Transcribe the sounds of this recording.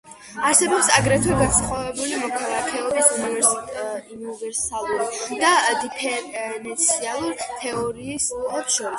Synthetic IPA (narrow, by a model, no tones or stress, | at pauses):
aɾsɛbɔpsaɡɾɛt̪ʰwɛɡansχwavɛbulimɔkʰalˠakʰɛɔbisunivɛunivɛɾsalˠuɾid̪̥ad̪ipʰɛɾɛnt̪sʰialˠuɾt̪ʰɛɔɾiːsɛpʃɔɾis